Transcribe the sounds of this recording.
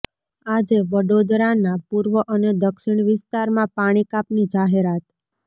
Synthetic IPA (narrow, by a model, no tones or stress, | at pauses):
ad͡ʒeʋəɖod̪ɾanapuɾʋəʔəned̪əkʃɪɳ̃ʋɪst̪aɾmãpaɽ̃ikapnid͡ʒaɦeɾat̪